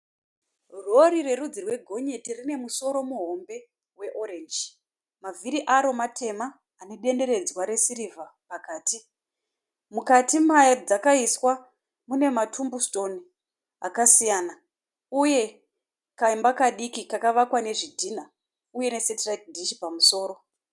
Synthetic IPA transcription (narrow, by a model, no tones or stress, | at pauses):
ro̞ɾire̞rud͡zirwe̞ɡʱo̞ɲe̞tirine̞muso̞ɾo̞muɦo̞mbe̞ | we̞ʔo̞ɾend͡ʒ | maviɾiʔaɾo̞matʰe̞maː | neɗe̞nde̞ɾe̞d͡zwaɾe̞siɾivʱapakaːti | mukatimajad͡zakaiswa | mune̞matʰumbusto̞ni | a̰kasijana | uje̞ | kaimbakaɗikikakaʋakwane̞ʐidʱiːna | uje̞ne̞setrak̚dʱiʃi̥pamuso̞ːɾo̞